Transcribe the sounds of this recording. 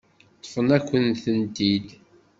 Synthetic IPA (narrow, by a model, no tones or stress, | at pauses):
t̪ˤːfənækʷːənθənt̪id̪